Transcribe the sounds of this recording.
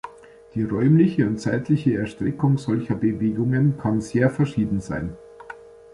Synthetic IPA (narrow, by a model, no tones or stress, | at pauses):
d̥iːʁɔʏmlɪçəʊnt̚t͡saɪtlɪçəɛɐʃtʁ̥ɪkʊŋzɔlçɐbəveːɡʊŋənkʰanzeːɐfɛɐʃiːdn̩za̰ɪn